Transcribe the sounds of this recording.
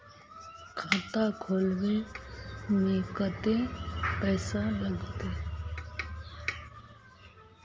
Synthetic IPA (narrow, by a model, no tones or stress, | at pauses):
kʰaːt̪akʰoːlɡe | neːkət̪ẽpɛːsaləɡt̪e